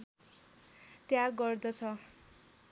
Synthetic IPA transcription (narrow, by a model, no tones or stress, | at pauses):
t̪jaɡʌrd̪ʌt͡sʰʌ